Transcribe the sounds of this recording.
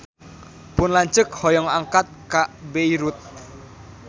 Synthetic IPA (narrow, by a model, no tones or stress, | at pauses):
pʊnlaɲt͡ʃək̚hɔjɔŋaŋkat̪̚kaʔbeiɾut̪̚